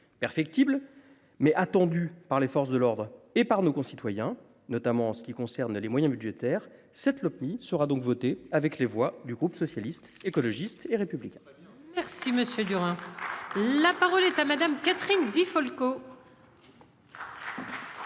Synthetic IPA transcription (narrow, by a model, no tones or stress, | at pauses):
pɛʁfɛk̚t̪ibl | mɛʔat̪ɑ̃d̪ypaʁlefɔʁs̬d̪əlɔʁd̪ʁepaʁnokɔ̃sit̪wajɛ̃ | nɔt̪amɑ̃ːsə̥kʲikɔ̃sɛʁnlemwajɛ̃bylʒet̪ɛːʁ | sɛt̪lɔpmisəʁad̪ɔ̃kvɔt̪eavɛklevwad̪yɡʁupsɔsjalist̪ekɔlɔʒist̪eʁepyblikʲɛ̃ | mɛʁsiməsjød̪yʁɛ̃ | lapaʁɔlɛt̪amad̪amkat̪χind̪ifɔlko